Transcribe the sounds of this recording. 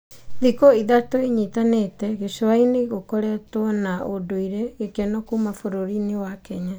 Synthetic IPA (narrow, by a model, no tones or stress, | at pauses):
ðikoiðatoiɲitanetɛɣeʃoaineɣokoɾeatwɔnaodoiɾɛɣekɛnɔkuːmafoɾoɾinewakɛɲa